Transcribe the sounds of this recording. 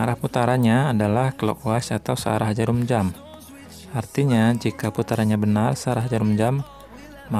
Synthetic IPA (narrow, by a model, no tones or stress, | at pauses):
aɾahput̪aɾaɲaːdalahkəlo̰koasat̪awsəa̰ɾaɦd͡ʒaɾumd͡ʒam | ʔart̪iɲad͡ʒikaput̪aɾaɲabənarsəaɾaɦd͡ʒaɾumd͡ʒamː | a